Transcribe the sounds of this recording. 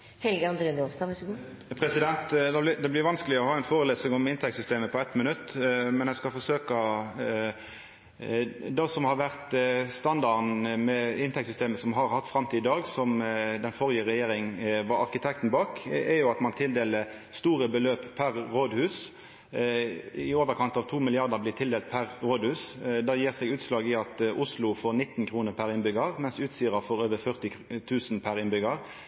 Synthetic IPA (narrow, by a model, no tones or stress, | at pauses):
hɛlɡəɑnd̪ɾeːnɔst̪ɑʋs | pʰɾɛsɪd̪ɛnt̪d̪ɑblɪd̪ɛblɪɾʋɑnskəlɪɔhɑːɛnfoːɾəleːsɪŋɔmɪnt̪ʰɛk̚sʏst̪eːməpʰɔɛt̪mənʉt̪ːmɛnæɪskɑlfɔʂøːkɑ | d̪ɔsɔmhɑɾʋæʁt̪st̪ɑnd̪ɑɾnmɛɪnt̪ʰɛksʏst̪eːməsɔmɦɑɾhɑt̪ːfɾɑmt̪ʰiːd̪ɪd̪ɑːɡsɔmd̪ɛnfɔʁɪəʁɛjeːɾɪŋʋɑɾɑʁkɪt̪ʰɛk̚t̪n̩bɑːkɛjʊɑt̪mɑnt̪ʰɪld̪eːləst̪uːʁəbəløːppʰæʁːoːd̪hʉːs | ɪoːʋəʁkʰɑnt̪ɑʋt̪ʰuːmɪlɪɑʁd̪əblɪːt̪ʰɪld̪eːlt̪̚pʰæʁʁoːd̪hʉːsd̪æːjiːʁseːɡʉːt̪slɑːɡɪɑt̪ʊslʊfoːʁnɪt̪ːn̩kʰʁuːnəʁpʰæʁɪnbʏɡəʁmɛnsʉːt̪siːʁɑfɔʁøːʋəfœʁt̪ɪ | t̪ʰʉːsnpʰæɾɪnbʏɡəʁ